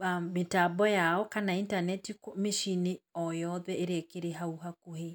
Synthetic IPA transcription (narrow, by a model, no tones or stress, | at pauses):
ametabɔjaɔkanaintanɛtikɔmiʃiniɔjɔðɛeɾeekeɾeɦauɦakuhe